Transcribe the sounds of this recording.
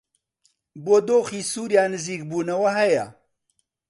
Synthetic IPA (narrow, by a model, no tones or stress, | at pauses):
boːd̪oːxiːsuːɾjaːnɨziːk̚buːnɐwɐɦɐjɐ̰